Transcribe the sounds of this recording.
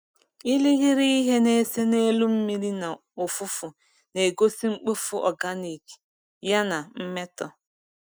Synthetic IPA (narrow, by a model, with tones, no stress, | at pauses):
i˦li˦ɣi˦ɾi˦i˦ɦe˦ne˦se˦ne˦lu˦m̩˦mi˦ɾi˦na˨ | o˨fʊ˦fʊ˨ | ne˨ɡo˦si˦ŋ͡m̩˦k͡po˦fu˦ʔɔ̰˨ɡa˦ni˨k | ja˦na˨m̩˦me˦tɔ˦